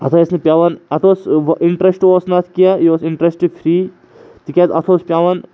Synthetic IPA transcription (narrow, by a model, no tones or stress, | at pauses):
ɦɐt̪ʰaesnepʲjaːʋɐnɐt̪ʰoːsʋʔiɳʈɾesʈosnat̪ʰkijajoːsiɳʈɾesʈfʰɾiː | t̪ikʲet̪ɐt̪ʰoːspʲjaːʋɐn